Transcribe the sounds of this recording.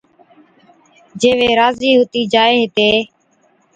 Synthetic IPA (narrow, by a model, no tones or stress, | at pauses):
d͡ʒeːʋeːɾaːziːɦoːt̪iːd͡ʒaːeːɦɪt̪eː